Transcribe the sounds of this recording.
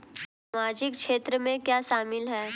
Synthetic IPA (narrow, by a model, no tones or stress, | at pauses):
samaːd͡ʒɪkʃeːt̪ɾəmẽkjaːʃaːmɪlɦɛː